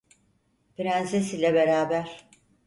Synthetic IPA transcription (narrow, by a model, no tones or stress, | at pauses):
piɾænsesilʲɛbe̞ɾaːbæɾ̥